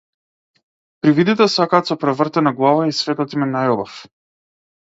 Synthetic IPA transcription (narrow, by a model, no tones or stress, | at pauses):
pɾivid̪it̪ɛsakaːt̪sɔpɾɛvərt̪ɛnaɡlˠavaisvɛt̪ɔt̪imɛnajɔbaf